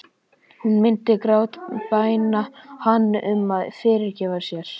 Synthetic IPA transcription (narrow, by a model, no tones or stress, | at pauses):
hunmɪnt̪ɪkɾaːwt̪paːjnahanːʔʏmaðfɪːɾɪɾcɛːvaɾ̥sjɛɾ̥